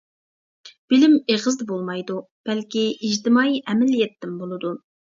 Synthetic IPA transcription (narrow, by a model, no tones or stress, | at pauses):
b̥ɪlɪmeʁɨzd̪ɛbolˠmɑjd̪u | b̥ɛlkʲiid͡ʒt̪ɪmɑiʔɛmɛlijɛt̪ːɪmbolˠɨd̪u